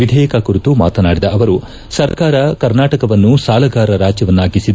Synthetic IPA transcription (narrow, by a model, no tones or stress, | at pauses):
ʋid̪ʱɛjɐkɐkuɾut̪uma̰ːt̪ɐnaːɽid̪ɐʔɐʋɐɾu | sɐɾkaːɾɐkɐɾnaːʈɐkɐʋɐnːusaːlɐɡaːɾɐɾaːd͡ʒjɐʋɐnːaːɡisid̪